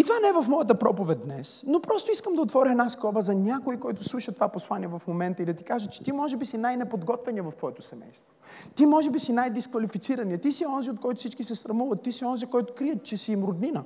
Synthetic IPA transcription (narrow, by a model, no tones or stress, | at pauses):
it̪vanɛɛvɐfmɔjət̪əpɾɔpovɛt̪̚d̪nɛ̰snopɾɔst̪oiskəmd̪ɐot̪vɔɾʲəɛd̪askɔbəzɐnʲakoikɔjt̪ʊslˠuʃət̪ːovaposlˠaniɛvɐfmomɛnt̪əid̪ɐt̪ikaʒət͡ʃɛ̥t̪imɔʒɛbisinajnɛpod̪ɡɔt̪vɛniəvɐft̪vɔɛt̪oʊ̥sɛmɛ̰jst̪vo | t̪imɔʒɛbisinajd̪iskvɐlifit̪siɾɐniət̪isiɔnziot̪̚kɔjt̪ʊfsit͡ʃkisɛsɾɐmuvɐt̪ːisiɔnzikɔjt̪ʊkɾiət̪̚t͡ʃɛsiːmɾʊd̪ninə